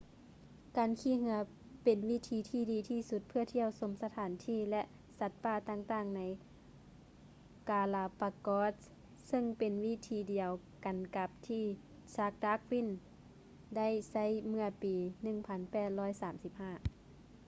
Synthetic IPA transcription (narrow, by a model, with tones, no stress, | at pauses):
kaː˨nkʰiː˧˨ɦɯ˧˦ɐ | pe˨˩nwi˦˧˥t̪ʰiː˨˦t̪ʰiː˧˥diː˨˦t̪ʰiː˧˩su˧˦t̪̚pʰɯ˧˥ɐt̪ʰi˧˩əwso˨˧˦msa˧t̪ʰaː˨˦nt̪ʰiː˧˥˨lɛ˧ʔ | sa˧˦˥t̪̚paː˧˩t̪aː˧˥˨ŋt̪aː˧˩ŋna˧˥j | kaː˨˧laː˧pa˧kɔː˧˥t̪̚ | sɤ˧˥˨ŋpe˨nwi˦˧˥t̪ʰiː˨˦di˨˩əw | ka˨nka˧˦p̚t̪ʰiː˧˩ | saː˧˥k̚daː˧˥k̚wi˧˥˨n | da˥˨jsa˧˥˨jmɯ˧˥ɐpiː˨nɯ˧˩ŋpʰa˧˦npɛː˧˩t̪̚lɔː˥˨jsaː˨˦msi˧˦p̚haː˧˥˩